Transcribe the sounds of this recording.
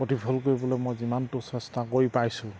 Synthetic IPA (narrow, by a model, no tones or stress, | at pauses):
potipʰɔlkoɹibɔlɛmɔjzimantʊsɛstakojpajsʊ̃